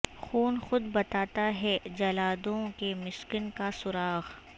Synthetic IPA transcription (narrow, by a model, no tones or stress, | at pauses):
xuːnxʊd̪bɐt̪aːt̪aɦɛd͡ʒɐlaːd̪õkemɪskɪnkasʊɾaːɣ